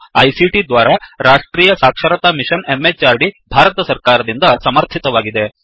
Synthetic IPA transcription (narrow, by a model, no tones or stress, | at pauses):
ɐjsiʈid̪ʋaːɾɐɾaːʂʈɾiːjɐsaːkʂɐɾɐt̪aːmiʂɐnemːet͡ʃaːɾɖibʱaːɾɐt̪ɐsɐɾkaːɾɐd̪ind̪ɐsɐmɐɾt̪ʰit̪ɐʋaːɡid̪e̞